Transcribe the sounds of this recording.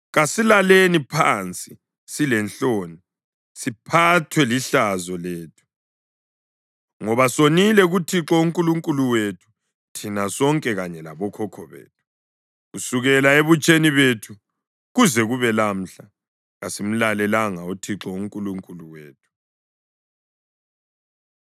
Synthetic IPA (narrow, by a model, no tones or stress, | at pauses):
ɣasilalenipʰant͡sʼi | silɛnɬoni | sipʰatʰwɛliɬazɔleːtʰu̥ | ŋɔβasonilɛɣutʰiǁɔuŋkʼuluŋkʼuluwetʰu̥ | tʰinasɔŋkʼɛɣaɲɛlaβɔkʰɔkʰɔβḛːtʰu̥ | ɣusuɣɛlaeβut͡ʃʼeniβetʰu | ɣuzɛɣuβɛlam̩ɬa | ɣasim̩lalɛlaŋautʰiǁɔuŋkʼuluŋkʼuluweːtʰu̥